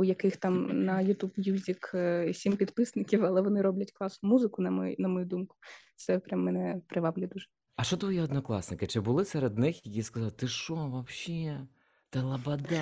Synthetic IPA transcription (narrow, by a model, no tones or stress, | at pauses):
ʊjɐkɪxt̪ɑmnɐjʊt̪ubjuzʲiksʲimpʲid̪pɪsnɪkʲiwɐlˠɛʋɔnɪɾɔblʲɐtʲklˠɑsnʊmuzɪkʊnɐm̰nɐmɔjud̪umkʊ̥t̪sɛpɾʲamːɛnɛpɾɪʋɑblʲʊjɛd̪uʒɛ̥ | ɐʃt͡ʃɔt̪ʋɔjiɔd̪nɔklˠɑ̰snɪkɪt͡ʃɪbʊlˠɪsɛɾed̪nɪxjɐkʲiskɐzɑlˠt̪ɪʃɔʋɐpɕʲi | t̪ɛlˠɐbɐd̪ɛ